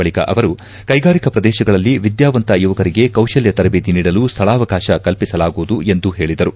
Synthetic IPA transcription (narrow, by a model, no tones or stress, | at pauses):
ɐɭikɐ̰ʔɐʋɐɾu | kɐjɡaːɾikɐpɾɐd̪ɛːʃɐɡɐɭɐlːiʋid̪jaːʋɐnt̪ɐjuʋɐkɐɾiɡe̞kɐwʃɐljɐt̪ɐɾɐbeːt̪iniːɽɐlust̪ʰɐɭaːʋɐkaːʃɐkɐlpisɐlaːɡuʋːd̪ue̞nd̪uɦe̞ːɭid̪ɐɾu